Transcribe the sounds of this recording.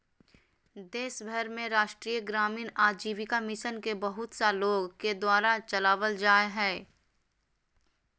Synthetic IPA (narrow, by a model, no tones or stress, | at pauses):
d̪eːʃbʱəɾmẽɾaːʃʈɾiːjəɡɾaːmiːnaːd͡ʒiːʋɪkamɪʃənkebɐɦʊt̪saloːɡked̪waːɾat͡ʃɐlaːʋəld͡ʒaːeɦɛː